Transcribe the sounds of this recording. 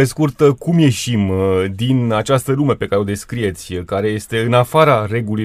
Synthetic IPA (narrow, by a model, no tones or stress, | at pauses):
e̞skurt̪əkumje̞ʃimd̪inat͡ʃast̪əlume̞pe̞kaɾeod̪e̞skɾije̞t̪sʲkaɾe̞je̞st̪e̞ɨnafaɾare̞ɡuluj